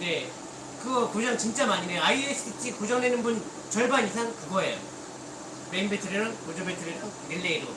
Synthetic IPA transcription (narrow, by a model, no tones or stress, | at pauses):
ne̞ | kɯɡʌkod͡ʑʌnt͡ɕint͡ɕ͈amaɲinejoaies͈ʰɯitʰikod͡ʑʌŋdenɯnbun | t͡ɕʌɭbanis̬ʰaŋkɯɡoɦejo̰ | meinbetʰɯɾeɾɯnkod͡ʑʌbetʰɯɾeɾʌ | ɾiɭːeiɾo